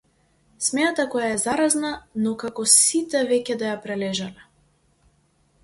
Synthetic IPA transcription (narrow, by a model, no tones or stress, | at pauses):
smɛnat̪akɔjaɛzaɾaznanɔkakɔsit̪ɛvɛcɛd̪ajapɾɛlɛʒalɛ